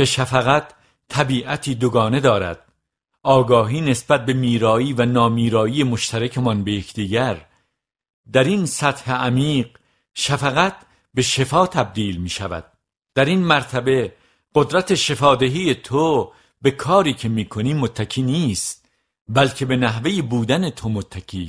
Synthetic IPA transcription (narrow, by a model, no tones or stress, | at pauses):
keʃæfæɣæt̪ʰː | æbiːʔæt̪ʰiːd̪oɡɒːne̞d̪ɒːɾæ̰d̪̥̚ | ɒːɡɒːɦiːne̞sbæt̪̚be̞miːɾɒːiːvænɒːmiːɾɒːije̞moʃt̪ʰæɾæcʰemɒnbe̞jekʰd̪iːɟæɾ | d̪æɾinsæt̪heʔæmiːɢ | ʃæfæɣæt̪̚ʰ | be̞ʃe̞fɒːt̪ʰæb̚d̪iːlmiːʃævæ̰d̪̥̚ | d̪̥æɾinmæɾt̪ʰæbe̞ | ɢ̥od̪ɾæt̪ʰe̞ʃe̞fɒːd̪eɦiːje̞t̪ʰo | be̞kʰɒːɾiːcʰe̞miːkʰo̞niːmot̪ʰːæcʰiːniːst̪̚ | bælcʰe̞be̞næɦvejebuːd̪æne̞t̪ʰomot̪ʰːæcʰiː